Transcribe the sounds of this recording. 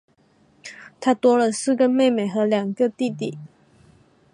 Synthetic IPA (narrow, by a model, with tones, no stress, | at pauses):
t̪ʰa˥t̪wɔ˥lə˨sɹ̩˥˧ɡə˩me˥˩ɪme˨˩ɪxɤ˧˥ljɑ˨˩ŋɡə˧t̪i˥˧t̪i˥˩